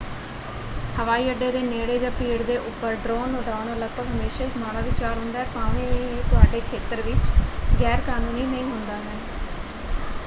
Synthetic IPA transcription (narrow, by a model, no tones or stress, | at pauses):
həʋaːiːəɖeːd̪eːneːɽeːd͡ʒãːpiːɽd̪eːʔʊpːəɾɖɾoːnːoːɖaːʊnːləɡbəɡɦəmeːʃaːɪkmaːɽaːʋɪt͡ʃaːɾɦʊ̃nd̪aːɛːpaːʋẽːeneːt̪ʊaːɖeːkʰeːt̪əɾʋɪt͡ʃɡɛːɾkaːnuːniːnəĩːɦʊnd̪aːɦɛː